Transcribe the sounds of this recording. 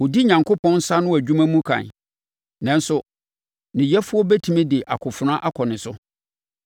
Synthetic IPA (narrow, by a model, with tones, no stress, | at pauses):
ʊ˨di˦ɲã˨ŋkʰo˦pʰɔ̃˦n̩˦sa˦nʊ̃˦æ˨d͡ʑᶣu˦mã˦mũ˦kʰã̰˨n | nã˨n˦sʊ˦ | nɪ̃˨jɛ˦fʊ˦ɔ˦bɛ˦tʰi˨mĩ˦dɪ˨ʔa̰˨kʰʊ˨fʊ˨nã˦ʔa˦kʰɔ˨nɪ̃˨sʊ˦